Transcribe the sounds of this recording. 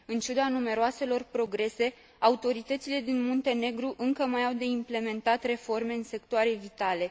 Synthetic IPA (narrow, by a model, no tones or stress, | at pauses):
ɨnt͡ʃud̪anume̞ɾoase̞lo̞rpɾo̞ɡɾe̞se̞ | aut̪o̞ɾit̪ət̪sile̞d̪inmont̪e̞ne̞ɡɾuʔɨŋkəmajawd̪e̞imple̞me̞nt̪at̪re̞fo̞rme̞ɨnse̞k̚t̪oaɾe̞vit̪ale̞